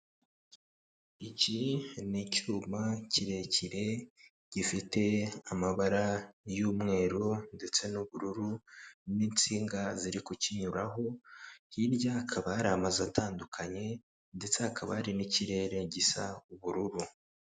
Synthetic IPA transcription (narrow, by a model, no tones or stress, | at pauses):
icinicuːmaciɾe̞ciɾe̞ | ɟ̥ifite̞amaβaɾajuːmŋe̞ːɾonde̞t͡se̞nuβuɾuɾuniːnt͡siːŋɡaziɾikociɲuɾaɦo̞hiɾɟakʰaβaɾamazatʰaːndukʰaɲe̞ | nde̞t͡sehakʰaβa̰ɾiniciɾe̞ːɾe̞ɟisauβuɾuɾu